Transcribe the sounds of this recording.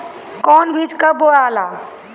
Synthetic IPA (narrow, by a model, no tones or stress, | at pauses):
kɔːnbid͡ʒkaboɽaːlaː